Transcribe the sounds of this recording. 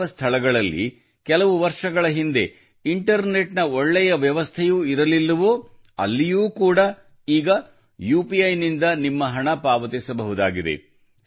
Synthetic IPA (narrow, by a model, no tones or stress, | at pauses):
ɐst̪ʰɐɭɐɡɐɭɐlːḭ | kɛlɐʋuʋɐɾʂɐɡɐɭɐɦind̪e̞ | iɳʈɐɾne̞ʈnɐoɭːɛjɐʋjɐʋɐst̪ʰejuiɾɐlilːɐʋoː | ɐ̰lːijuːkuːɽɐ | iːɡɐ | juːpijɐjnind̪ɐnimːɐɦɐɳɐpaːʋɐt̪esɐbɐɦud̪aːɡid̪ḛ